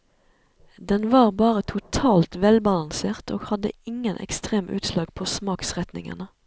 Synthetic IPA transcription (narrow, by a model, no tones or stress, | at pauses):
d̪ɛnʋɑːʁbɑːʁət̪ʰʊt̪ʰɑːlt̪ʋɛlbɑlɑnseːʁt̪o̰ːɡhɑd̪ə̰ɪŋənʔɛ̰kst̪ʁeːmʔʉ̰ːt̪slɑːɡ̥pʰoːsmɑːksʁɛt̪nɪ̰ŋə̰nə